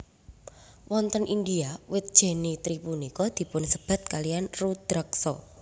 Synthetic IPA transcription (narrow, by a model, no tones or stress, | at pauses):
wɔnt̪ənʔindiawɪt̪̚d̥ʒ̥e̤nit̪ɾipunikɔd̪̥i̤pʊnsəb̥a̤t̪̚kalijanrud̪̥ɾəksɔ̰